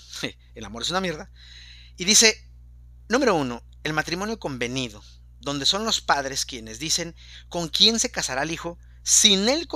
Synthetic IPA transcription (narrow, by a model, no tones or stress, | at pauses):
elamoɾe̞sunamje̞ɾða | iðise̞ | nũme̞ɾo̞uno̞ | e̞lmat̪ɾimo̞njo̞ko̞mbe̞niðo̞ | ðo̞nd̪e̞so̞nlo̞spaðɾeskje̞ne̞zðise̞ŋ | ko̞ŋkje̞nse̞kasaɾalixo̞ | sine̞lk